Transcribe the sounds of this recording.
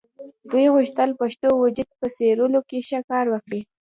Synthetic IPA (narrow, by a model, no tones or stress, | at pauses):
d̪ujɣʊʃt̪əlpaʃt̪owʊd͡ʒʊd̪̚pəseɾəlokeʃakɑɾwəkɽi